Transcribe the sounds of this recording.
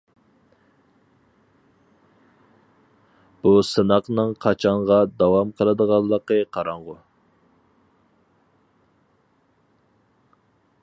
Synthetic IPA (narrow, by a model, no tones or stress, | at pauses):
b̥usɨnɑqnɨŋqʰɑt͡ʃʰɑɴʁɑd̪ɑwɑmqʰəlˠɨd̪əʁɑlˠːəqəqʰɑɾɑɴʁʊ